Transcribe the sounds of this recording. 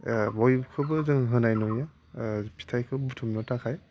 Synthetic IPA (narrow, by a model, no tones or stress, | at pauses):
bɔjkʰɯbɯzɯŋɦɯnajnɔja | pʰi̥tʰajkʰɯbbutʰumnɔtʰakʰaj